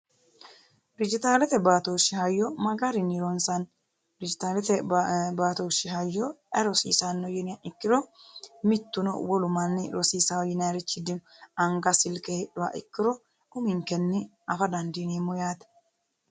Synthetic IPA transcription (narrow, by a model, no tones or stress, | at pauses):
d̪ɪd͡ʒɪt̪aːlɛt̪ɛbaːt̪oːʃːɪhɐjːɔmɐɡɐɾɪnɪɾɔnsɐn | d̪ɪd͡ʒɪt̪aːlɛt̪ɛbaːt̪oːʃːɪɦɐjːɔʔɐɾɔsḭːsanːɔjɛnɪjaʔɪkːɪɾɔmɪt̪ːʊnɔ̰wɔlʊmɐnːɪɾɔsiːsawjɪnɐɾɛt͡ʃːɪd̪ɪnɐŋɡɐsɪlkɛɛɗʊwa̰ːʔɪkːɪɾɔ | ʊmɪŋkɛnːɪ | ɐfɐd̪ɐnd̪ineːmːɔjaːt̪ɐ̥